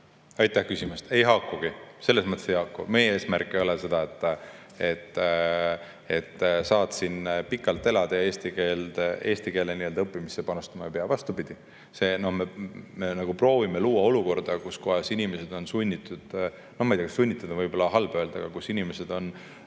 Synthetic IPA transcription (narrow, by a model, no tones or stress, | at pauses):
ɑjt̪ːˑæhkysʲimust̪e̞jɦɑkːˑuɡ̥ise̞lːesmɤt̪ːˑesejhɑkːˑṵmejeeːsmærkːˑeo̞lese̞d̪ɑe̞t̪ːˑ | et̪ː | e̞t̪ːsɑːd̪sinpikːˑɑlt̪ːˑe̞lɑd̪̥ɑjɑeːst̪ikeːld̪̥e̞ːst̪ike̞ːlːeniø̞ld̪ɑɤpˑːimisːe̞pɑnust̪ɑmɑjɑpeɑvɑst̪ubid̪̥i | se̞ːno̞hmeme̞nɑɡ̥upro̞ːvimeluːɑo̞luko̞rd̪ɑkuskoɑjɑsinime̞se̞d̪̥o̞nsunʲːit̪ːˑud̪̥ | no̞hmɑjd̪ɑɡesunʲːit̪ːˑɑd̪̥ɑvɤjbo̞lːɑɦɑlb̥ø̞ːld̪̥ɑ̰ɡ̥ɑkusinime̞se̞d̪̥o̞n